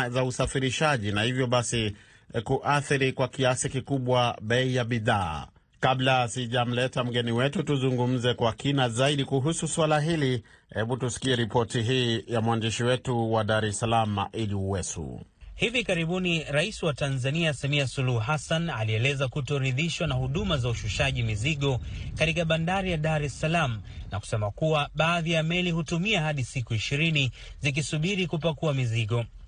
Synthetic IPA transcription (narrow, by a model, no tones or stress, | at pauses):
zausafiɾiʃaʄinahivjɔɓasi | kuʔaθiɾikwakiasikikuɓwaɓɛijaɓiða̰ː | kablasiʄam̩lɛtam̩ɡɛniwɛtutuzuŋɡum̩zɛkwakinazaiɗikuɦususwalaɦili | hɛɓutusi̥kiɛɾipɔtiɦiːjamwandiʃiwɛtuwaɗaɾɛsalama̰ʔiliuwɛsṵhivikaɾiɓuniɾaisiwatanzaniasamiasuluhɦasanaliɛlɛzakutɔɾiðiʃwanahuɗumazauʃuʃaʄimiziɠɔkatikaɓandaɾijaɗaɾɛsalamuna̰ku̥sɛmakuwaɓaːðijamɛlihutumiahaɗisikuiʃiɾinizik̬isuɓiɾikupakuamiziɠɔ